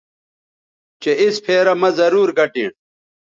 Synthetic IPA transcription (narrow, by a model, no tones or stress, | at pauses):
t͡ɕeispʰeːɾɐmɐzɐɾuːɾɡɐʈiːɳ̃